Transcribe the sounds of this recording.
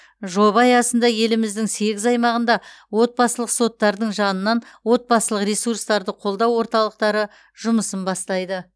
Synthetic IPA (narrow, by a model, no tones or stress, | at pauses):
ʒo̞βɑjɑsənd̪ɑje̞lɪmɪzd̪ɪŋse̞ɡʲɪzɑjmɑʁənd̪ɑ | wo̞t̪̚bɑsəlˠəqso̞t̪ːɑɾd̪əɴʒɑnənːɑnwo̞t̪̚bɑsəlˠəqɾʲesurst̪ɑɾd̪əqʰo̞lˠd̪ɑwːo̞ɾt̪ɑlˠəq̚t̪ɑɾə | ʒ̥ʊməsənbɑst̪ɑjd̪ə